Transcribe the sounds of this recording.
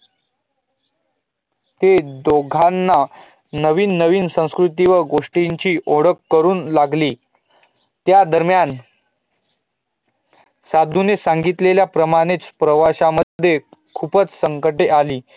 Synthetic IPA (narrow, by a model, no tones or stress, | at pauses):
t̪ed̪oɡʱanːa | nəʋiːnːəʋiːnsə̃w̃skɾut̪iʋəɡoʂʈiɲt͡ɕiːʔoɽəkːəɾuːnlaɡliː | t̪jad̪əɾmjan | sad̪ʱunesaŋɡit̪leljapɾəmaɽ̃et͡spɾəʋaɕaməːjekʰuːpət͡ssəŋkəʈeʔaliː